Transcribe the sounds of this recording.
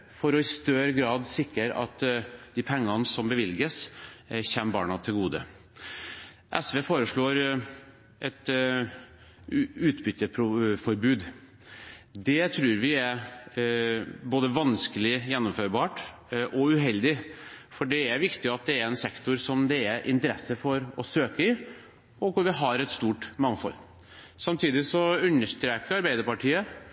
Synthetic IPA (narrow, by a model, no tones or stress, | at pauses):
fɔɾɔɪst̪œɾəɡɾɑːd̪sɪkːəɾɑ̰t̪ːd̪ɪpʰɛŋːɑnsɔmbəʋɪlɡəsçɛnːəbɑ̰ːɳɑt̪ʰɪlɡuːd̪ə̰ | ʔɛsʋeːfoːɾəʂɭoːɾ | ʔɛt̪ | ʉːt̪bʏt̪ːəpʰɾʊfɔɾbʉːd̪ | d̪ɛt̪ʰɾʉːɾʋɪæɾ | boːd̪əʋɑnskəlɪjɛnːɔmføːɾbɑːʈ | ʔɔʉɦɛld̪ɪfɔɖɛæɾʋɪkt̪ɪɑt̪̚d̪ɛæɾɛnsɛkt̪ʊɾsɔmd̪ɛæɾʔɪ̰nt̪əɾɛsːəfɔɾɔsøːkəɪ | ɔkʊɾʋɪɦɑɾɛt̪st̪uːʈmɑŋfɔ̰lː | sɑmt̪ʰiːd̪ɪsɔʉnːəʂt̪ɾeːkəɾɑɾbæɪd̪əɾpɑʈʰiːə